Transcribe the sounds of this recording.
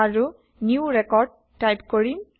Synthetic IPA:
aɹu | njuɹɛkɔɹɖ̚ːajpkoɹim

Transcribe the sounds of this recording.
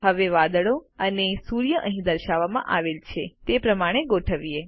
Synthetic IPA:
ɦəʋeʋad̪əɭoənesuɾjəʔə̃ɦĩd̪əɾʃaʋamã̰ʔaʋelt͡ʃʰet̪epɾəmaɽ̃eɡoʈʰəʋie

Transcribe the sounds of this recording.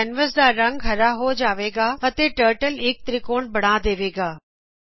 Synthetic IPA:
ɛnʋəsd̪aːɾɐ̃ŋɡɦɐɾaɦoːd͡ʑaːʋeːɡaːɐt̪eʈəːɾʈəlɪːk̚t̪ɾikoːɽbɐɽ̤̃aːd̪eːʋeːɡaː

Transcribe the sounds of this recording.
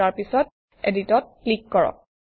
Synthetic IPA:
aɹpisɔt̚ | editɔt̚klikːɔɹɔ̰k̚

